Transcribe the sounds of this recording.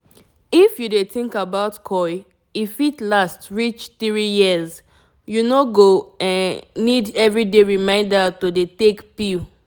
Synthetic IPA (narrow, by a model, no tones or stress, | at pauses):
ifjudeθĩŋkabaʊtkʰɔɪ | ifitlastɹit͡ʃθɹijiz | junoɡoãnnidɛvɹideɹimãɪ̃ndətodetekpi